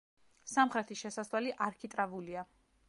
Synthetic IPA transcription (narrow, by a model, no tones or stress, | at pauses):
samχɾɛt̪ʰiʃɛsaslwaliʔaɾkʰit̪ʼɾavulia